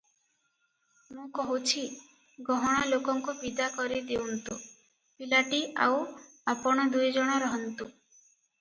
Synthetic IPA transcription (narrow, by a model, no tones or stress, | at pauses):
mũkɔɦut͡ʃʰi | ɡɔɦɔɽ̃alokɔŋkubid̪akɔɾid̪eunt̪u | pilaʈiʔa̰w | apɔɽ̃ɔd̪ujd͡ʒɔɽ̃ɔɾɔɦɔnt̪u